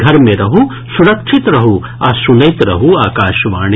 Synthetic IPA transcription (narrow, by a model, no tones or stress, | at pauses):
ɡʱɐɾmẽɾɐɦu | suɾɐkʃʰit̪ɾɐɦu | ɐsunɐjt̪ɾɐɦuaːkaːʃʋaːɳ̃i